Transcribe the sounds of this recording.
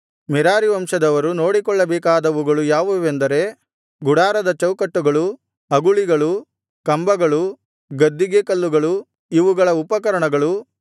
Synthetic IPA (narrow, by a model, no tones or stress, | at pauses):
mɛɾaːɾiʋɐmʂɐd̪ɐʋɐɾuno̞ːɽikɔɭːɐbɛːkaːd̪ɐʋuɡɐɭujaːʋuʋend̪ɐɾe̞ | ɡuɽaːɾɐd̪ɐt͡ʃɐwkɐʈːuɡɐɭu | ɐɡuɭiɡɐɭu | kɐmbɐɡɐɭu | ɡɐd̪ːiɡekɐlːuɡɐɭu | iʋuɡɐɭɐupɐkɐɾɐɳɐɡɐɭu